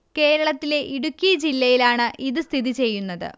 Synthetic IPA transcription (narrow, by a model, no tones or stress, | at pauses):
ke̞ːɾɐɭɐt̪ːile̞ʔiɽukʲːijɐd͡ʑilːɐjilaːɳɨʔiðɨst̪ʰiðit͡ɕe̞jːunːɐðɨ̰